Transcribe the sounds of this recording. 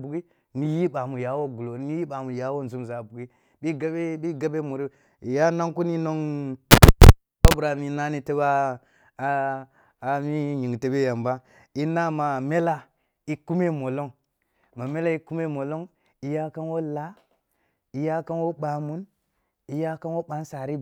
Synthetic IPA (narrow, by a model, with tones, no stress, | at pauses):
bu˨ɡi˦ | ni˨ji˦ɓa˨mu˨ja˨wo˦ɡu˨lo˨˦ni˦ji˦ɓa˨mu˨ja˨˦wo˦n˨zu˦mza˨bu˨ɡi˦ | ɓi˦ɡa˦be˦bi˦ɡa˦be˦mu˨ɾi˦ | i˨ja˦na˦ŋku˦ni˦no˦ŋ | ba˦bu˨ɾa˨mi˨na˦ni˦te˦ba˦˨ | mi˦ɲi˨ŋ˨te˨be˦ja˨mba˦ | i˦na˦ma˨me˦la˦ | i˦ku˦me˦mo˨lo˦ŋ | ma˨me˦la˦i˦ku˦me˦mo˨lo˦ŋ | i˦ja˦ka˦nwo˦la˦ | i˦ja˦ka˦nwo˦ɓa˨mu˦n | i˨ja˦ka˦nwo˦ɓa˨˦n˦sa˨ɾi˦